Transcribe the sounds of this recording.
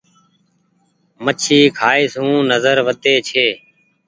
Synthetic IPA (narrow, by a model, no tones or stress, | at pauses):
mət͡ʃʰiːkʰaːeːsũːnəzəɾʋət̪eːt͡ʃʰeː